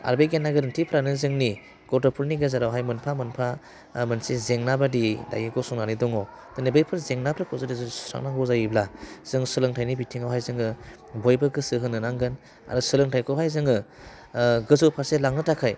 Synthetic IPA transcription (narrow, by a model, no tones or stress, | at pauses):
a̰ɾbeɡenːaɡɯɾntʰipʰɯɾanɯzɯŋni | ɡɔtɔpʰulniɡɯzaɾawɦajmɯnpʰamɯnpʰa | mɯnsizeŋnabadida̰jɯɡɔsuŋnanidɔŋɔ | tɯnebɯjpʰɯɾzeŋnabɾɯkʰɔzɯdizɯsu̥sa̰ŋnaŋɡɔzajɯblaz̥ɯŋsɯlɯŋtʰajnibitʰiŋawɦajzɯŋɯ | bɔjbɯɡɯsɯɦɯnːɯnaŋɡɯn | a̰ɾɯsɯlɯŋtʰajkʰɔwhajzɯŋɯ | ɡɯzɔpʰaɾselaŋɯtakʰaj